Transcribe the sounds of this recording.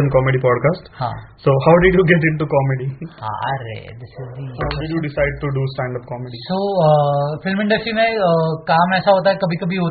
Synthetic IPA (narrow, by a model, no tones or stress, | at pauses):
ə̃nkɔːmeɖipɔːɖkaːsʈhã̰ːsoːhaʊɖɪɖjuɡɛʈ̬ɪ̃ɳʈukɔːmeɖihã̰ɾḛd̪ɪsɪzbibɐɪɖjuɖɪsaɪɖ̚ʈuɖusʈæ̃ːɳɖɐp̚kɔmeɖisoːəfɪlmɪ̃ɳɖəsʈɾimẽkaːmɛːsaɦoːt̪̬aɦɛkɐbʱikɐbʱiɦoː